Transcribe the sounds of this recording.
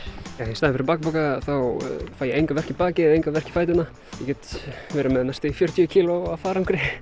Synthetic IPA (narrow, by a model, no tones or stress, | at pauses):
jaːjɛst̪aːðɪ̃nfɪɾɪpaːk̚pokaθawfaːjɛejŋkavɛr̥cɪpaːcɪɛðejŋkavɛr̥cɪ̥faːjt̪̬ɪna | jɛcɛːt̪vɛːɾʏmɛðnast̪ɪfjœɾt̪ʰjʏcʰiːloafaːɾamkʰɾɪ